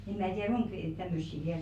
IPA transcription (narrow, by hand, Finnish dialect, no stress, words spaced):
em mæː tiær̥ oŋk tæmːøsːi ʋiæl